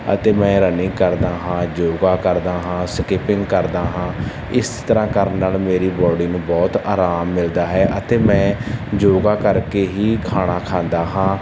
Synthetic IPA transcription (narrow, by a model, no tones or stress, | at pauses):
ə̰t̪eːmɛ̃ːɾənɪ̃ːkəɾd̪aːɦãːd͡ʒoːɡaːkəɾd̪aːɦãːskɪpɪ̃ŋɡkəɾd̪aːɦãː | ɪst̪əɾãːkəɾənːaːlmeːɾiːbɔːɖiːnũːbɔːt̪aːɾaːmːɪld̪aːɦɛːʔət̪eːmɛ̃ːd͡ʒoːɡaːkəɾkeːɦiːkʰaːɽ̃aːkʰãːnd̪aːɦãː